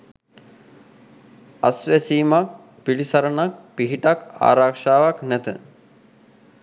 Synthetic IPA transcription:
asʋesiːmak̚ | pilisaɾənak̚piɦiʈaka̰ːɾakʂaːʋaknæt̪ə̰

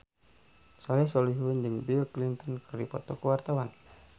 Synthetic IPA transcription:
sɔlɛsɔliɦundəŋbilklint̪ɔnkərdipɔ̰t̪ɔkuwart̪awan

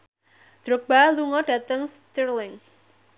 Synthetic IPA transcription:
d̪̥ɾʊk̚b̥aluŋɔɖ̥at̪əŋst̪irlɪŋ

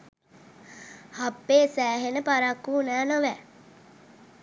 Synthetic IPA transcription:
hapːeːsæːɦenəpaɾakːuːnæːnoʋæ

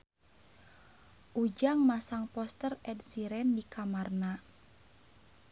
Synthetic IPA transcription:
ʔud͡ʒaŋmasaŋpɔst̪ərɛdsiɾɛndikamarna

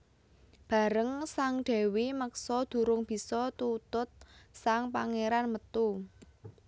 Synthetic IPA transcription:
b̥ä̤ɾəŋsaŋɖ̥ɛ̤wiməksɔd̪̥ṳɾʊŋb̥i̤sɔt̪ut̪ʊt̪̚saŋpaŋeɾanmət̪u

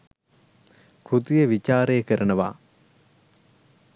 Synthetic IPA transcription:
kɾut̪ijəʋit͡ʃaːɾejəkəɾənəʋa̰ː

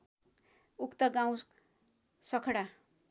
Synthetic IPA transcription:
ukt̪ʌɡãw̃ | sʌkʰɽa

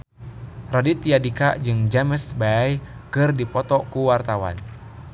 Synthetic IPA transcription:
radit̪iadika̰d͡ʒɨŋd͡ʒaməsbajkɨrdipɔt̪ɔkuwart̪awa̰n

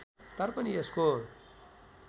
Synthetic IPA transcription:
t̪ʌɾpʌniesko

